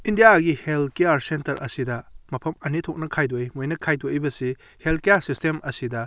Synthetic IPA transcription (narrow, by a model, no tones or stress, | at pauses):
indijaɡihelkejaɾsentɐɾʔɐ̰sidɐmɐpʰɐmɐnitʰok̚nɐkʰajdojmojnɐkʰajdojbɐsi | helkejaɾsistemɐsidɐ